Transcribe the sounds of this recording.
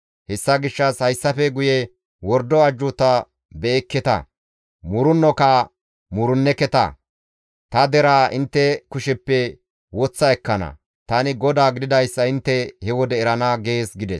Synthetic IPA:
hɛsːɐɡɪʃːɐshɐjsːɐfɛɡʊjɛ | wɔɾd̪ɔɐd͡ʒːʊt̪ɐ | bɛːkːɛt̪ɐ̰ | mʊɾʊnːɔkɐ | mʊɾʊnːɛkɛt̪ɐ̰ | t̪ɐd̪ɛɾaːɪnt̪ːɛkʊʃɛpːɛ | wɔt͡sːɐɛkːɐnɐ̰ | t̪ɐnɪɡɔd̪aːɡɪd̪ɪd̪ɐjsːɐɪnt̪ːɛhɛwɔd̪ɛːɾɐnɐɡeːsɡɪd̪ɛ̰s

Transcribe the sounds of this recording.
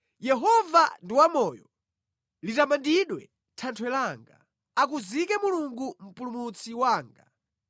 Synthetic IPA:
jɛɦɔvandiwamɔːjɔ | litamandiɗwɛ̰ | tʰantʰwɛlaŋɡa̰ | akuzikɛmuluŋɡum̩pulumut͡sʰiwaːŋɡa̰

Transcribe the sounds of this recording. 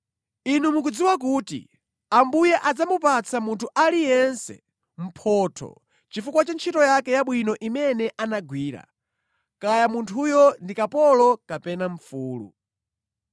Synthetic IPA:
inumuk̬ud͡ziwak̬uːtḭ | ambujɛʔad͡zamupat͡sʰamuntʰuʔalijɛnsɛ̰ | m̩pʰɔtʰɔ̰ | t͡ʃifukwat͡ʃant͡ʃʰitɔjakɛjaɓwinɔʔimɛnɛʔanaɡwiːɾa̰ | kajamuntʰujɔndikapɔlɔkapɛnaɱ̩fuːlṵ

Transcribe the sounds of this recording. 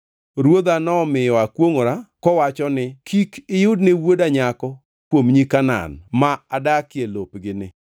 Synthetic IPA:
ɾwod̪anɔmɪjɔakwoŋoɾakɔwat͡ʃɔnɪkikɪjʊdnewodaɲakɔ | kwomɲikana̰nmaadakɪelopɡɪnɪ

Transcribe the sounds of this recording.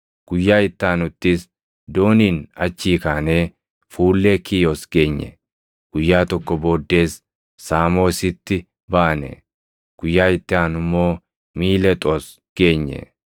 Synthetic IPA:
ɡ̥ʊjːaːɪt̪ːaːnʊt̪ːɪs | d̪o̞ːniːnɐt͡ʃːiːkaːneː | fuːlːekiːjosɡe̞ːɲːɛ̰ | ɡ̥ʊjːaːt̪ɔkːɔbo̞ːd̪ːe̞ːsː | aːmo̞ːsɪt̪ːɪ | baːnɛ̰ | ɡ̥ʊjːaːɪt̪ːɪaːnʊmːo̞ː | miːlɛt̪ʼos | ɡ̥e̞ːɲːɛ̰

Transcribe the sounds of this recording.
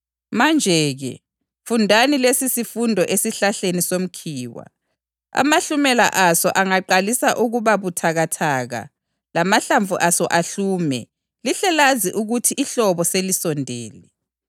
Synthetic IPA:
mand͡ʒʱɛɣɛ̰ | fundʱanilesisifundʱɔʔesiɬaɬenisom̩kʰiːwa̰ | a̰maɬumɛla̰ʔasɔʔaŋaǃalisaʔuɣuβaβutʰaɣatʰaːɣa̰ | lamaɬaɱvʱuʔasɔʔaɬuːmɛ̰ | liɬɛlaziʔuɣutʰiʔːɬɔβɔselisɔndʱɛ̰ːlɛ

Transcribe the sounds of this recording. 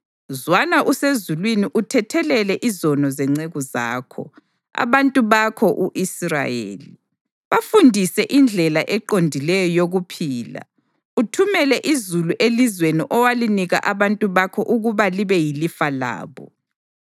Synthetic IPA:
zwanaʔusezulwiniʔutʰɛtʰɛlɛlɛʔizɔnɔzɛŋ͡ǀeɣuza̰ːkʰɔ̰ | a̰βantʼuβakʰɔʔuʔisra̰jḛːli | βafundʱisɛʔind͡ɮʱɛlaʔɛǃondʱilɛjɔjoɣupʰiːla̰ | utʰumɛlɛʔizuluʔelizweniʔɔwaliniɣa̰ʔaβantʼuβakʰɔʔuɣuβaliβɛjilifala̰ːβɔ̰

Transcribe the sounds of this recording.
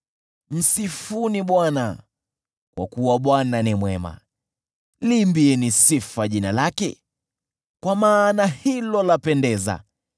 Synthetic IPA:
m̩sifuniɓwana̰ | kwa̰kuwaɓwananimwɛma̰ | limbiɛnisifaʄinalakɛ̰ | kwamaːnahilɔlapɛndɛza̰

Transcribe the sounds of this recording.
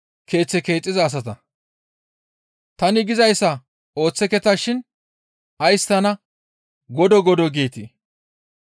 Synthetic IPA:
kʰe̞ːt͡sːɛke̞ːt͡sʼːɪzɐːs̬ɐt̪ɐ | t̪ɐnɪɡɪzɐjsːɐ | o̞ːt͡sːɛkɛt̪ɐʃɪn | ɐjst̪ɐnɐ | ɡɔd̪ɔɡɔd̪ɔɡeːt̪i

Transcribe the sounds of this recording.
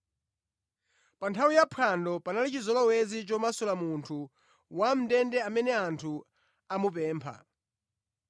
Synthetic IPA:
pantʰawijapʰandɔpanalit͡ʃizɔlɔwɛzit͡ʃɔmasɔlamuntʰu | wam̩dɛndɛamɛnɛantʰu | amup̬ɛːmpʰa̰

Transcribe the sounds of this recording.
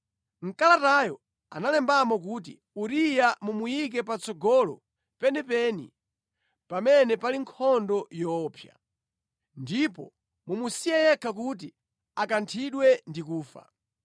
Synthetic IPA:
ŋ̩kalatajɔ | a̰nalɛmbamɔk̬uːt̬ḭ | uɾijamumujik̬ɛpat͡sɔɡɔlɔ̰ | pɛnɛpɛnḭ | pamɛnɛpaliŋkʰɔndɔjɔːpʰja̰ | ndipɔ̰ | mumusijɛjɛkʰak̬ut̬i | akantʰiɗwɛndikuːfa̰

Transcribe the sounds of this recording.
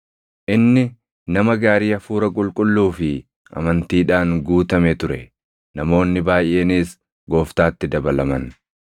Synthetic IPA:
ʔɪnːɪ | nɐmɐɡaːɾiːɐfuːɾɐkʼʊlkʼʊlːuːfɪ | ɐ̰mɐnt̪iːᶑaːŋɡuːt̪ɐmɛt̪ʊɾɛ | nɐmo̞ːnːɪbaːjʔːe̞ːniːs | ɡo̞ːft̪aːt̪ːɪd̪ɐbɐlɐmɐn

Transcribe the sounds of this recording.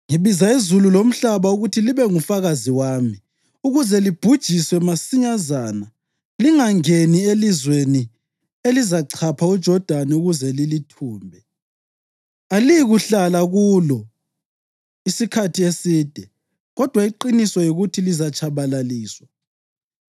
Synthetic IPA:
ŋiβizaizululom̩ɬaβauɣutʰiliβɛŋufaɣaziwaːmi | uɣuzɛlib̥ʱud̥ʒ̥ʱiswɛmasiɲazaːna | liŋaŋenielizweni | elizaǀʰapʰaud̥ʒ̥ʱɔd̥ʱanɛuɣuzɛlilitʰuːmbʱɛ | aliɣuɬalaɣuːlɔ | isikʰatʰiesiːd̥ʱɛ | ɣɔd̥ʱwaiǃinisɔjoɣutʰilizat͡ʃʰaβalaliːswa

